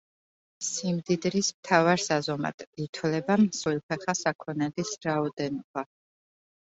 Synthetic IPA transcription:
simd̪id̪ɾismt̪ʰavaɾsazɔma̰d̪̥ʰit̪ʰwlɛbamswilˠpʰɛχasakʰɔnɛlisɾaɔd̪ɛnɔb̥a

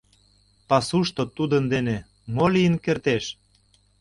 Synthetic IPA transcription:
pɑsuʃt̪ot̪ud̪ənd̪ene | molijənkert̪eʃ

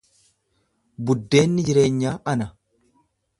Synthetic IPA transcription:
bʊd̪ːe̞ːnːɪd͡ʒɪɾe̞ːɲːaːʔɐnɐ

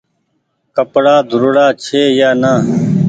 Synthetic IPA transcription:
kəpɽaːd̪ʱʊɾɽaːt͡ʃʰeːjaːnaː

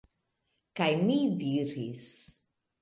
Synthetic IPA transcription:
kajmidiɾis

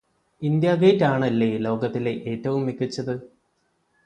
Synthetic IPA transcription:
ind̪jaːɡɐjtːaːɳɐlːe̞lo̞ːɡɐt̪ːile̞ʔeːtːɐʋumːikːit͡ɕːɐðɨ

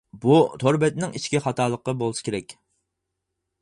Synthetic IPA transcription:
but̪ʰoɾbɛt̪nɪŋiʃkʲiχɑt̪ʰɑːlˠəqːɑbolˠɨsɨ̥kʲʰeɾɛkʲ

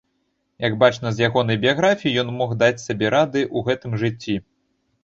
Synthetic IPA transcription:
jɐɡbat͡ʂnɐzʲjaɣɔnɐjbʲijaɣɾafʲijijɔnmɔxd̪at͡sʲsʲabʲɛɾad̪ɨʔuɣɛt̪ɨmʐɨt͡sʲːi

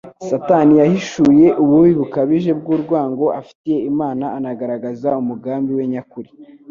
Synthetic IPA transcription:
satanijahiʃuje̞ʔuβuwiβukaβiʒe̞b̚ɡuːɾɡwaːŋɡo̞afi̥tije̞imaːnaanaɡaɾaɡazaumuɡaːmbiwe̞ɲakuɾi̥

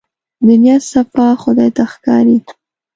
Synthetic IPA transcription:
d̪ʊnjɑsafɑxʊd̪ɑjt̪axkɑ̰ɾi

